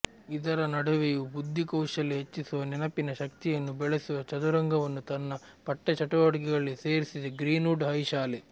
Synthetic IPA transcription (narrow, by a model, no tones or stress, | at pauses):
id̪ɐɾɐnɐɽɐʋejubud̪ʱːikɐwʂɐlːiɦet͡ʃːisuʋɐnɛnɐpinɐʃɐkt̪ijɐnːubɛɭesuʋɐt͡ʃɐd̪uɾɐŋɡʱɐʋɐnːut̪ɐnːɐ | pɐʈːet͡ʃɐʈɐʋɐʈɡɛɡɐɭːise̞ːɾisid̪eɡɾiːnuːɖɦɐjʃaːle